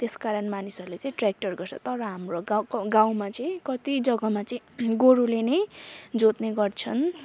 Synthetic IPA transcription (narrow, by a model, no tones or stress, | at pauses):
t̪eskaɾʌnmanisʌɾulet͡sʌ̃ĩʈrak̚ʈʌrɡʌrt͡sʰʌ̰t̪ʌɾʌɦamroɡawkɡaw̃mat͡sʌĩkʌt̪id͡zʌɡʌmat͡sʌĩɡoɾulenʌjd͡zot̪neɡʌrt͡sʰʌn